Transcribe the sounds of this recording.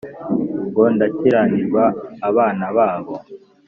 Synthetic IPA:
ɡondaciɾaɲiɾɡwaːβaːnaβaːβo

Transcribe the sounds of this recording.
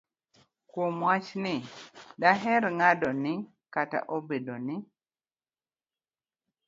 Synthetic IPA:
kwomwat͡ʃnɪdaɦɛɾŋadɔnɪ | kata̰ʔobedonɪ

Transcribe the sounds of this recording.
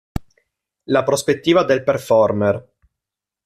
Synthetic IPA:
lapɾospet̪ːiːvad̪elperfɔrmɛr

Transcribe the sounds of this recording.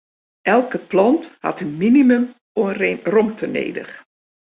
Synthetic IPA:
ʔɛlˠkəplɔntha̰tənminiməm | orɔmtʰənḛːdə̰x

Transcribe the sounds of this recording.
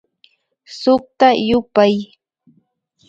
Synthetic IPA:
sʊχ̚t̪ajʊpaj

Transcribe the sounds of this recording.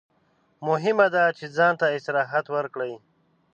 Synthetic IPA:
mʊɦɪmad̪at͡ʃed͡zɑːnt̪aɪsɾɑːɦat̪wəɾkɽaj

